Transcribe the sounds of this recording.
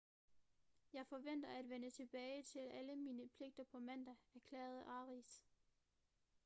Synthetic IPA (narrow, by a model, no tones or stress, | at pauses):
jɑ̈ɪfɒ̽ʋen̰d̥ɐæd̥ʋenət͡sʰe̝b̥ɛːɪt͡sʰe̝læləmiːnəpʰle̝ɡ̥̚d̥ɐpʰɒ̽mæn̰d̥ææɐkʰlɛ̰ːɐð̞̩ˠʔɑ̈ːʁis